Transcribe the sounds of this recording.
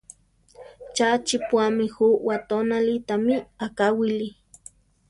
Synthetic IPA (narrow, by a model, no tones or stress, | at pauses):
t͡ʃat͡ʃipwamihuʔwat̪onalit̪amiakawili